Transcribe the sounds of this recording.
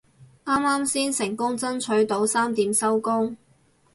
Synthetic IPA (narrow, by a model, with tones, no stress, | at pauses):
ʔaː˥maː˥msiː˥nsɪ˨˩ŋkʊ˥ŋt͡sɐ˥nt͡ʃʰɵ˨˥ɥt̪o˨˥wsaː˥mt̪iː˨˥msɐ˥wkʊ˥ŋ